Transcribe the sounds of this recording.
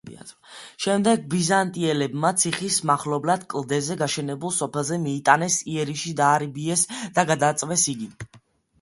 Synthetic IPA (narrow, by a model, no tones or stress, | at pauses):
ʃɛmd̪ɛɡ̚bizant̪ʼiɛlɛbmat̪sʰiχismaχlɔblad̪kʼlˠd̪ɛzɛɡaʃɛnɛbulˠsɔpʰɛlˠzɛmiːt̪ʼanɛsiɛɾiʃid̪aːɾibiɛsd̪̥aɡad̪at̪sʼvɛsiɡi